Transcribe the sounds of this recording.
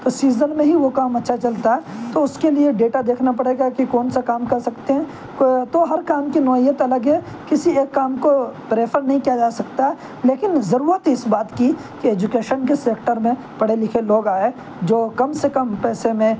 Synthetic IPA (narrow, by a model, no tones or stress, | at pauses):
t̪osiːzəlmẽɦiʋokaːmɐtːʃʰat͡ʃɐlt̪aɦɛːt̪oʊskelieɖeːʈad̪eːkʰnapɐɽeːɡakikɔːnsakaːmkɐɾsɐkt̪eɦɛ̃ː | t̪oɦɐɾkaːmkinɔːijət̪ɐləɡɦɛ | kɪsieːkːaːmkopɾeːpʰəɾnɐɦĩkijad͡ʒaːsɐkt̪aɦɛ | leːkɪnzɐɾuːɾət̪ɦɛɪsbaːt̪ki | kieːd͡ʒʊkeːʃənkeseːkʈəɾmẽ | pɐɽ̤elɪkʰeloːɡaːe | d͡ʒoːkɐmsekɐ̃mpɛːsemẽ